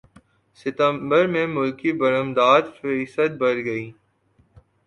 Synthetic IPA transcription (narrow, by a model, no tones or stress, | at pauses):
sɪt̪ə̃mbəɾmẽmʊlkibəɾəmd̪aːd̪fsəd̪̚bɐɾɡɐiː